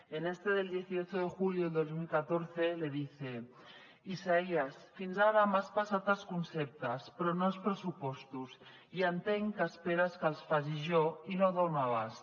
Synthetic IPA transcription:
enest̪e̞ðe̞ld̪je̞θiot͡ʃoð̞exuljoðeld̪ozmilkat̪oɾθe̞le̞ðiθe | isaiasfinzaβamaspasat̪askunsep̚t̪aspɾonoespɾesupo̞st̪us | iant̪eŋkaspeɾaskalsfaʒiʒoinoðownaβas

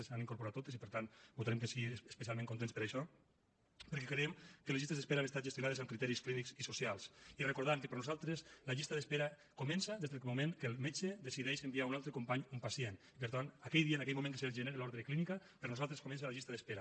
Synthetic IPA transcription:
esaniŋkuɾpuɾat̪ːot̪es̬ipəɾt̪ant̪but̪aɾemkesiiespesialˠmẽŋkunt̪enspəɾaʃɔ | pəɾkɛkɾeemkəlezʒist̪ezðespeɾamest̪at̪ʒest̪junaðezamkɾit̪ɛɾisklinikzisusialˠsirekuɾð̞amkepeɾnuzalˠt̪ɾeslaʎist̪aðespeɾa | kumɛnsaðezðemumẽŋkelˠmet͡ʃed̪esiðɛʃembiaunalˠt̪ɾekumpaɲumpasijenipəɾt̪anakɛjðianakɛjmumẽŋkeseelʒeneɾelɔɾðɾeklinikapeɾnuzalˠt̪ɾeskomɛns̬alaʎist̪aðespeɾa

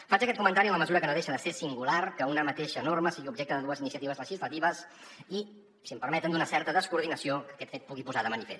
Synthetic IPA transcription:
fat͡ʃəkɛt̪̚kumənt̪aɾiənləməzuɾəkənəðeʃənd̪əsesiŋɡularkəunəmət̪eʃənorməsiɣiubʒek̚t̪əðəðuəzinisiət̪iβəzləʒizlət̪iβ̞əs | i | simpəɾmɛt̪ənd̪unəsɛɾt̪əðəskuɾð̞inəsiokəkɛt̪fet̪̚puɣipuzaðəmənifḛs

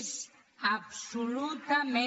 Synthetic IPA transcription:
s | absolut̪amɛ̃

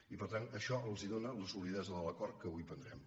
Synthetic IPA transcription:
ipəɾt̪anəʃɔəlˠziðonəunəsuβliðɛzəðəlˠəkɔɾt̪̚kəβujpənd̪ɾɛm

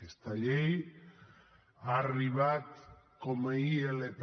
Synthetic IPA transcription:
est̪aʎej | ariβat̪ | komaielep

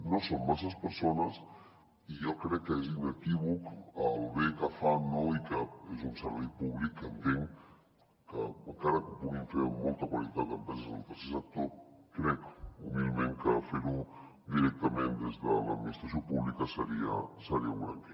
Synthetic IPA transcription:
nosommas̬aspəɾsonas | ijokɾɛkːəezinekiβukalβekafanːoikəezunsəɾβɛjpuβlikːənt̪eŋ | kəaŋkaɾakəpuɣiɱfeɾmːolˠt̪akwalit̪at̪əmpazezelp̪əɾsezak̚t̪oɾkɾɛkuβilmẽŋkəfeɾu | d̪iɾɛk̚t̪amend̪ezðəla̰d̪minist̪ɾas̬jopuβlikasaɾiasaɾiaβɾa̰ŋke

